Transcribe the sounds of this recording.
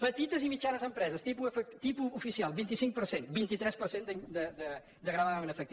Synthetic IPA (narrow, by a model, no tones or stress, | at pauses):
pət̪it̪əzimit͡ʃanəzəmpɾɛzəst̪ipuəfəkt̪ipuːfisialˠbint̪isiŋk̚pəɾsenbint̪it̪ɾɛspəɾsend̪əɲd̪əd̪ə | d̪əɣɾaðanəfək̚t̪i